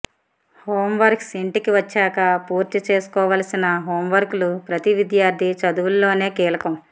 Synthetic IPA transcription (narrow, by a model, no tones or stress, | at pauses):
hoːmʋɐɾksiɳʈikiʋɐt͡ʃːaːkɐpuːɾt̪it͡ʃe̞ːsu̥kɔːʋaːlɐsinɐɦoːmʋɐɾkulupɾɐt̪iʋid̪jaːɾd̪ʱit͡ʃɐd̪uʋulːo̞ːne̞ːkiːlɐkɐm